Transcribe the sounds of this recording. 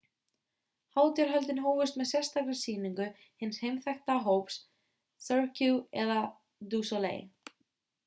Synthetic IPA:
haːwt̪jɛɾ̥ɦœlt̪ɪnɦoːwvʏst̪mɛðsjɛ̥st̪aklɪsiːniŋkʏ | hɪnːshejmθɛjxt̪aɦowps | θœɾcuɛða | d̪uːsɔlḛj

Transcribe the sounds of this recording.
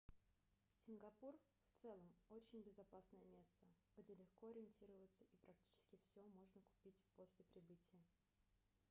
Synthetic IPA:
sʲɪnɡɐpur | ft̪sɛlˠəmot͡ɕɪnʲbʲɪzɐpasnəjəmʲe̞st̪ə | ɡ̥dʲe̞lʲɪxko̞ɐɾʲɪɪnʲtʲiɾəvət̪səʔipɾɐk̚tʲi̥t͡ɕɪ̥skʲɪfsʲomo̞ʐnəkʊ̥pʲitʲpo̞sʲlʲɪpɾʲɪbɨtʲɪjə

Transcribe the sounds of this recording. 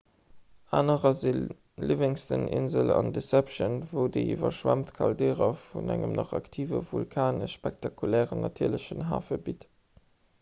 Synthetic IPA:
aːnəʁɐzil | liveŋstənʔɪnzəlɑndəsæpʃənvoʊdeivɐʃwæmtkʰɑldɛːʁɐfunæŋəmnɑχɑktʰiːvə̰vulkʰaːnəʃːpɛk̚tʰɑkʰulɛːʁənːɑtʰiːɐləɕənɦaːfəbit

